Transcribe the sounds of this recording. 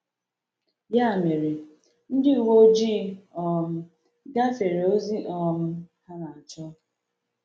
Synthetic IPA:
ja˦a˨me˨ɾi˨ | n̩˦dɪ˦u˨wo˦d͡ʒi˦ɔ˨m̩˦ | ɡa˦fe˨ɾe˨o˦zi˦ʔɔ˦m̩˦ha˦na˨a˨t͡ʃɔ˦

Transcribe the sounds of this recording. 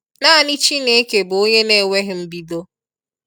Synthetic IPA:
na˦a˦˨ni˦t͡ʃi˦ne˦ke˨bʊ˨o˦ɲe˦ne˨wʷe˦ɣɪ˨m̩˦bi˦do˦

